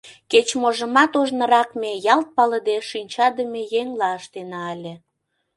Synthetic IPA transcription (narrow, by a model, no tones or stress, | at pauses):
ket͡ɕmoʒəmɑt̪oʒnə̆ɾɑkmejɑlt̪̚pɑləd̪eʃynʲt͡ɕɑd̪əmejeŋlɑəʃt̪enɑːlʲe